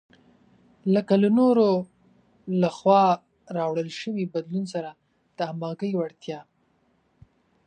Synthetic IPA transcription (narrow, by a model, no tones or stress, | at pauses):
ləkalanoɾo | laxwɑ | ɾɑwɽəlʃəwibad̪lunsaɾa | d̪̥əamɑɡəjwaɽt̪jɑ